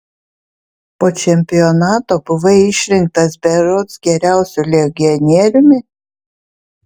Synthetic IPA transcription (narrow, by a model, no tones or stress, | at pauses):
poːt͡ʃʲɛmʲpʲɪjɔnɑːt̪oːbʊʋɐɪʃʲɾʲɪŋk̚t̪ɐsbʲɛɾɔt̪sɡʲɛɾʲæˑʊsʲulʲɛɡʲɪɔnʲiɛɾʲʊmʲɪ